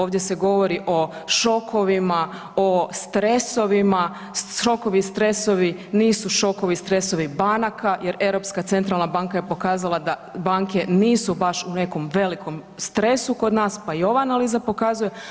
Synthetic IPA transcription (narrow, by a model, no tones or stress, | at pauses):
oːʋd̪je̞se̞ɡo̞ʋo̞ɾiʔo̞ʃo̞kʰo̞ʋima | ost̪ɾe̞so̞ʋima | ʃo̞ko̞ʋist̪ɾe̞so̞ʋiniːsuʃo̞ko̞ʋist̪ɾe̞so̞ʋibanakajʔe̞ɾe̞wɾo̞pskat̪se̞nt̪ɾalˠnabaŋkaje̞po̞kaːzalˠad̪abaŋke̞niːsubaʃune̞ko̞mʋe̞liko̞m | st̪ɾe̞suko̞d̪naːspaio̞ʋaanaliːzapo̞kaːzuje̞